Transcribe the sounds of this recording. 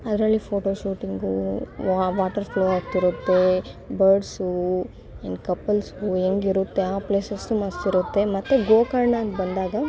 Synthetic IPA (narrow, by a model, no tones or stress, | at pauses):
ɐd̪ɾɐlːipʰoːʈoːʃuːʈiŋɡu | ʋaːʈɐɾfloːaːkt̪iɾut̪ːe̞ | bɐɾɖsu | eɳɖkɐpːɐlsueŋɡiɾut̪ːeaːpleːsɐsumɐst̪iɾut̪ːe̞mɐt̪ːuɡoːkɐɾɳaɐnt̪bɐnd̪aːɡɐ